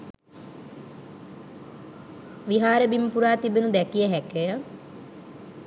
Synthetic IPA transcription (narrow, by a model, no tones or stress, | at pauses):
ʋiɦaːɾəbimpuɾaːt̪ibenud̪ɛkijəɦɛkəjə